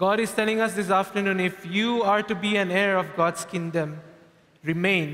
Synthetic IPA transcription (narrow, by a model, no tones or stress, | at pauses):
ɡ̥ɔːɾɪzʈɛlɪ̃ŋʌs̬d̪ɪs̬aːfʈəɾnũːnɪfjuːaːɾʈubiæ̃neːɾɔfɡɔːdskɪ̃ŋɖə̃m | ɾɪmẽːn